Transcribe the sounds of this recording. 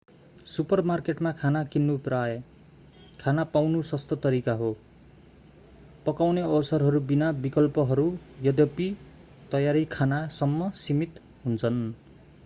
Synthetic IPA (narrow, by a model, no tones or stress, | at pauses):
supʌrmarkeʈmakʰanakinːupraj | kʰanapawnusʌst̪ʌt̪ʌɾikaɦo | pʌkawneʌwsʌrɦʌɾubinabikʌlpʌɦʌɾujʌd̪jʌpi | t̪ʌjaɾikʰanasʌmːʌsimit̪ | ɦunt͡sʰʌn